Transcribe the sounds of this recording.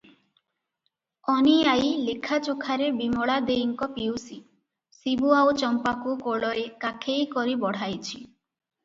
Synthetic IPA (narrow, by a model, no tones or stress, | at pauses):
ɔniajlekʰat͡ʃokʰaɾebimɔɭad̪ejŋkɔpiwsi | sibuaot͡ʃɔmpakukoɭɔekakʰejkɔɾibɔɽ̤ajt͡ʃʰi